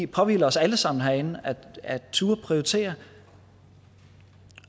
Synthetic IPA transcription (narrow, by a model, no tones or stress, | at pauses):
pʰɒ̽ʋḭːlɐɒ̽sæləsɑ̈m̰n̩ɦæɐe̝nn̩ææt͡sʰuːɐpʰʁioit͡sʰe̝̰ːɐ